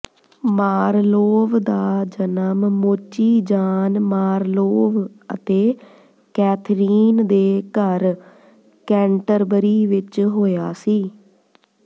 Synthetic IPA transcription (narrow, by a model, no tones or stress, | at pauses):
maːɾloːʋd̪aːd͡ʒənəmːoːt͡ʃiːd͡ʒaːnmaːɾloːʋə̰t̪eː | kɛːt̪ʰɾiːnd̪eːkəɾ | kɛ̃ːɳʈəɾbəɾiːʋɪt͡ʃɦoːjaːsiː